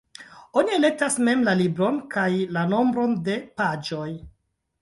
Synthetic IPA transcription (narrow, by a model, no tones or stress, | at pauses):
o̞nie̞le̞k̚tasme̞mlalibɾo̞nkajlano̞mbɾo̞nde̞pad͡ʒo̞j